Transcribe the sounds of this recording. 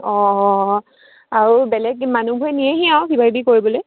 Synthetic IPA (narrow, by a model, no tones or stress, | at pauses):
ɔ | aɹubɛlɛɡ̚manubʱuɛnijɛɦiaw̃kibʱaibikoɹibɔloj